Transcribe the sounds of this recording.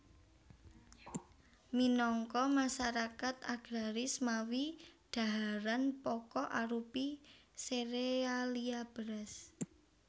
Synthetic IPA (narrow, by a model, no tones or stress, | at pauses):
minɔŋkɔmaʃaɾakat̪̚aɡ̥ɾaɾɪsmawid̥a̤ɦaɾanpɔkɔʔaɾupiseɾealiab̥əɾas